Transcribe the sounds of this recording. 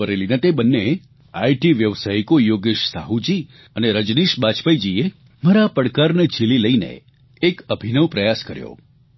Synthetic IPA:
əɾelinet̪ebənːe | aiʈiʋjəʋsaikojoɡeʃsaɦud͡ʒi | əneɾəd͡ʒniʃbat͡ʃpəjd͡ʒie | məɾapəɽkaɾnet͡ʃʰililəinḛː | kəbʱinəʋpɾəjaskəɾjo̰

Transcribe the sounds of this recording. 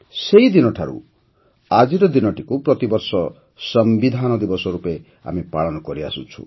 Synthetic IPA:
seid̪inɔʈʰaɾṵ | ad͡ʒiɾɔd̪inɔʈikupɾɔt̪ibɔɾsɔ | sɔmbid̪ʱanɔd̪ibɔsɔɾupe | a̰mipaɭɔnɔkɔɾia̰sṵt͡ʃʰṵ

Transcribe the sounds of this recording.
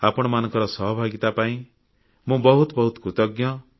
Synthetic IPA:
apɔɽ̃ɔmanɔ̃ŋkɔɾɔsɔɦɔbʱaɡit̪apaĩ | mũbɔɦut̪bɔɦut̪ɔkut̪ɔɡjɔ

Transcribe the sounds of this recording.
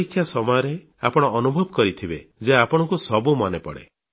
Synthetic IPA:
ikʰːjasɔmɔjɔɾe | a̰pɔɽ̃ɔʔːnubʱɔbɔkɔɾit̪ʰibed͡ʒeapɔɽ̃ɔŋkusɔbumɔnepɔɽḛ

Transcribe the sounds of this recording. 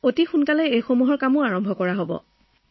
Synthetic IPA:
otixunkalɛejxomuɦɔɹkamʊaɹɔmbʱɔkɔɹaɦobɔ̰

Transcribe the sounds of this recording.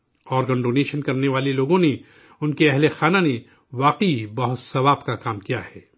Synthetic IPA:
ɔːɾɡə̃ɳɖoːneːʃənkɐɾneʋaːleloːɡõne | ʊnkeɐɦlexaːnane | ʋaːqibɐɦʊt̪sɐʋaːbkakaːmkijahɛː

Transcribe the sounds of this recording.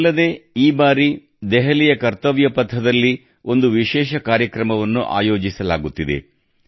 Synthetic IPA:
lːɐd̪e̞ːiːbaːɾi | d̪ɛɦɐlijɐkɐɾt̪ɐʋjɐpɐt̪ʰːɐd̪ɐlːi | o̞nd̪uʋiʃɛːʃɐkaːɾjɐkɾɐmɐʋɐnːṵʔa̰ːjo̞ːd͡ʒisɐlaːɡut̪ːid̪e̞̰

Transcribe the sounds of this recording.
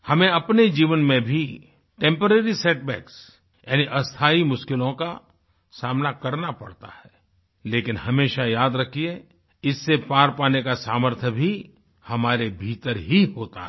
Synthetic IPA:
hɐmẽɐpned͡ʒiːʋənmẽbʱi | ʈẽmpəɾeːɾiseːʈbɛ̰ːks | jaːniʔɐst̪ʰaːimʊʃkɪlõka | saːmnakɐɾnapɐɽt̪a̰ɦɛː | leːkɪnhɐmeːʃajaːd̪ɾɐkʰie | ɪsːepaːɾpaːnekasaːməɾt̪ʰəbʱi | hɐmaːɾebʱiːt̪əɾɦiɦoːt̪a̰ɦ

